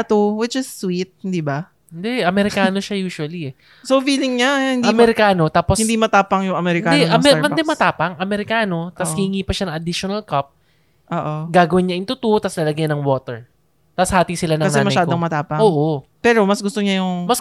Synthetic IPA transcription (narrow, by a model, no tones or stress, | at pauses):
t̪owɪt͡ʃɪsːwit̪̚d̪ibɐ | ɪnd̪ɛʔɐmɛɾɪkaːno̞ʃajuːʃʊwɐliɛ | soviːlɪŋɲahɪnd̪mɛɾɪkaːno̞t̪aːposhɪnd̪imɐt̪aːpɐŋjʊŋɐmɛɾɪkkaːd̪ɛʔɐmɛnd̪ɛmɐt̪aːpɐŋʔɐmɛɾɪkaːno̞t̪ɐshɪhɪŋiːpɐʃɐnɐŋɐd̪ɪʃonɐlkɐp̚ | ʔoːʔoɡaːɡɐwɪnɲaʔɪnt̪ʊt̪uʔot̪ɐsnɐlɐɡajnɐŋwoːt̪ɛɹ | t̪ɐshaːt̪isɪlanɐkɐŋnɛːnmɐɐjʃaːd̪oŋmɐt̪aːpɐŋʔoːʔopɛːɾo̞mɐsɡʊst̪oɲajʊŋmɐs